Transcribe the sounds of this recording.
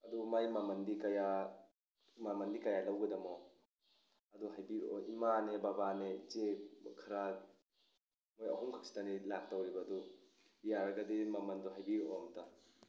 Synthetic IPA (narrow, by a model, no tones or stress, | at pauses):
ɐdumajmamɐndikaja | mamɐndikajalɐwɡɐdɐmɔ | ɐduɦajbiɾɔ̰ʔimanebabanet͡ʃekʰɐɾa | mojɐ̰ɦumkʰḁk̚si̥tanilak̚tawɾibɐdu | jaɾɐɡɐdimamɐndɔɦajbiɾɔmta